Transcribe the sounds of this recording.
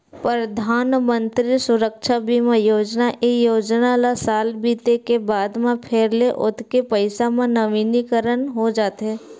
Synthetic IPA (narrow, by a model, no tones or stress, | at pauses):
pɾəd̪ʱaːnmə̃nt̪ɾisʊɾəkʃʰabʱimẽjoːd͡ʒnaʔʔejoːd͡ʒnalasaːlbiːt̪ekebaːd̪mẽpʰeːɾleʔʊ̰t̪ʰkepəɪsamẽnɐʋiːnikəɾənɦod͡ʒaːt̪ɦɛː